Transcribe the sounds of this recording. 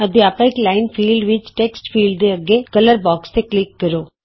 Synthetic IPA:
əd̪iaːpãɪklaːɪnfʰiːlɖʋɪt͡ʃʈeksʈfʰiːlɖd̪eəɡekələɾbɔːkst̪eklɪkːəɾoː

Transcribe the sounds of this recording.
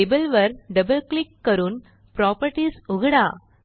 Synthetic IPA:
ɪbɐlʋɐɾɖɐbɐlklɪkːɐɾun | pɾaːpɐɾʈisʊɣɐɽaː

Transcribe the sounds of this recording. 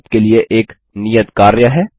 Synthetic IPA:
t̪kelieʔeːk | nijət̪kaːɾjəɦɛː

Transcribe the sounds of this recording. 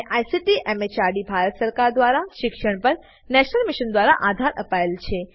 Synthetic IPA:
ʔajsiʈiʔɛmet͡ʃaɾɖibʱaɾət̪səɾkaɾd̪ʋaɾaʃɪkʃəɽ̃pəɾ | nɛʃnəlmiʃənd̪ʋaɾa̰ʔad̪ʱaɾʔəpaelt͡ʃʰe

